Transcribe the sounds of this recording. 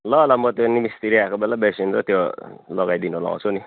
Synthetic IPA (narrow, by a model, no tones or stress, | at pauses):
lʌlʌmʌt̪jonimist̪iɾiakobelabesinrʌt̪jolʌɡajd̪inolã̰t͡sʰuni